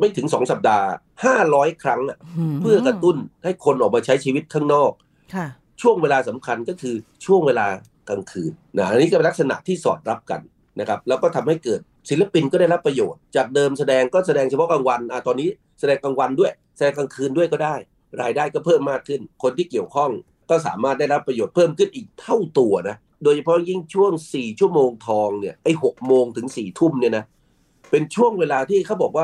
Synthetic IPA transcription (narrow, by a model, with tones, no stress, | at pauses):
ma˥˩jt̪ʰɯ˩˦ŋsɔː˩˦ŋsa˨˩p̚daː˧ | haː˥˩ɾɔː˦˥jkʰɾa˦˥ŋʔa˨˩ʔpʰɯ˥˩ɐkɾa˧t̪u˥˩nha˥˩jkʰo˧nʔɔː˨˩k̚maː˧t͡ɕʰa˦˥jt͡ɕʰiː˧wi˦˥t̪̚kʰaː˥˩ŋnɔː˥˩k̚ʰ | t͡ɕʰu˥˩əŋweː˧laː˧sa˩˦mkʰa˧nkɔː˥˩kʰɯː˧t͡ɕʰu˥˩əŋweː˧laː˧ | ka˧ŋkʰɯː˧nːa˦˥ʔa˧nːiː˦˥kɔ˥˩pe˧nla˦˥k̚sa˧na̰˨˩ʔt̪ʰiː˥˩sɔ̰ː˨˩t̪̚ɾa˦˥p̚ka̰˧n | na˦˥kʰa˦˥p̚lɛː˦˥wkɔː˥˩t̪ʰa˧mha˥˩jkɤː˨˩t̪̚ | si˩˦la˧pi˧nkɔː˥˩daː˥˩jɾa˦˥pːɾa˧joː˨˩t̪̚t͡ɕaː˨˩k̚dɤː˧msa˧dɛː˧ŋkɔː˥˩sa˧dɛː˧ŋt͡ɕʰa˧pʰɔ˦˥ka˧ŋwa˧nʔa˨˩t̪ɔː˧nːiː˦˥ | sa˧dɛː˧ŋka˧ŋwa˧ndu˥˩əj | sa˧dɛː˧ŋka˧ŋkʰɯː˧ndu˥˩əjkɔː˥˩daː˥˩j | ɾaː˧jdaː˥˩jkɔː˥˩pʰɤː˥˩mːaː˥˩kʰːɯ˥˩nkʰo˧nt̪ʰiː˥˩ki˨˩əwkʰɔ˥˩ŋ | kɔː˥˩s̬a̰ː˩˦maː˥˩t̪̚daː˥˩jɾa˦˥pːɾa˧joː˨˩t̪̚pʰɤː˥˩mkʰɯ˥˩nʔiː˨˩k̚t̪ʰa˥˩wt̪u˧ɐna˦˥ | doː˧jt͡ɕʰa˧pʰɔ˦˥ji˥˩ŋt͡ɕʰu˥˩əŋsiː˨˩t͡ɕʰu˥˩əmoː˧ŋt̪ʰɔː˧ŋni˥˩ɐʔa˥˩jho˨˩k̚moː˧ŋt̪ʰɯ˩˦ŋsiː˨˩t̪ʰu˥˩mni˥˩ɐna˦˥ | pe˧nt͡ɕʰu˥˩əŋweː˧laː˧t̪ʰiː˥˩kʰa˥˩wbɔː˨˩k̚waː˥˩